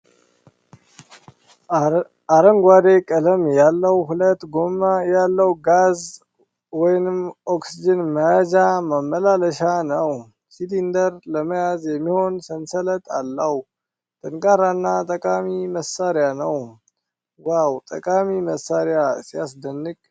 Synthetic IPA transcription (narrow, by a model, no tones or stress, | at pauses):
aɾəŋɡʷad̪ekʼələmjalːəwhulət̪ɡomajalːəwɡaz | wɔjnɨmo̞ksid͡ʒɪnməjad͡ʒaməmːəlaləʃanəw | silind̪əɾləməjazjɛmːiho̞nsənsələt̪ʰʼalːəw | t̪ʰɨŋkʼaɾanːat̪ʼəkʼamiməsaɾjanəw | wawt̪ʼəkʼamiməsaɾjasijasd̪ənːɨk̚